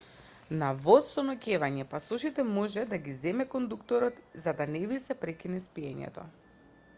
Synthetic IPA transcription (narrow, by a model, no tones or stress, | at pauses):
navɔt̪sɔnɔcɛvaɲɛpasuʃit̪ɛmɔʒɛd̪aɡizɛmɛkɔnd̪ukt̪ɔɾɔt̪zad̪anɛvisɛpɾɛkinɛspiɛɲɛ̰t̪ɔ̰